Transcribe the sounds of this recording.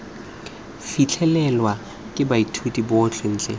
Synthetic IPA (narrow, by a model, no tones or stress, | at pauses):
fit͡ɬʰɛlɛlwa | kʼɪbaitʰutʼibʊːt͡ɬʰen̩ːt͡ɬʼḛ